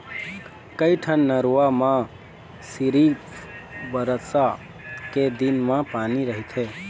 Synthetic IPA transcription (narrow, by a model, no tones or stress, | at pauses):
kəjʈʰənːəɾuamã | siɾipbəɾəsa | ked̪inmãpaːniɾəɦit̪ʰe